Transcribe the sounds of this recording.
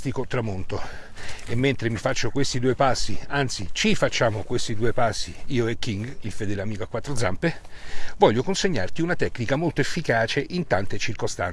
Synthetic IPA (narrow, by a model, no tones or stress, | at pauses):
t̪ikot̪ɾamont̪o | emːent̪ɾemifat͡ʃːokwest̪id̪uːepasːiant̪sit͡ʃifat͡ʃːaːmokwest̪id̪uːepasːiiːoek̟ːiŋɡilfed̪ɛleamiːkoakːwat̪ːɾod̪zampevɔʎːokonseɲːa̰rt̪iunat̪ɛknikamolt̪oefːikaːt͡ʃeʔint̪ant̪et͡ʃirkost̪an